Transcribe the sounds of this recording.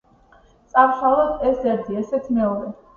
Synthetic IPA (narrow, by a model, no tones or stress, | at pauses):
t̪sʼamʃalˠɔd̪ʰɛsdɛɾd̪iɛsɛt̪ʰimɛɔɾɛ